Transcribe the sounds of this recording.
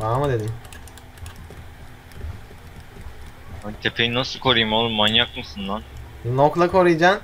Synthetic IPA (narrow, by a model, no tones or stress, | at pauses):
bamɯd̪ed̪im | at̪ʰepʰejinasɯkʰo̞ɾɯjɯmolˠɯmanjakmɯsund̪annoklˠakʰo̞ɾɯjd͡ʒan